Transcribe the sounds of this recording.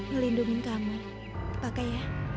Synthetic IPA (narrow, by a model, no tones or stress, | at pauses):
nolinduŋinkamu | pakaja